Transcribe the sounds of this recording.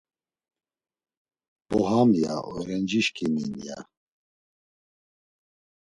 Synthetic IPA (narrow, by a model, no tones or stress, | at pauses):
b̥ɔɦamja̰ʔuɾɛnd͡ʒiʃkiminja̰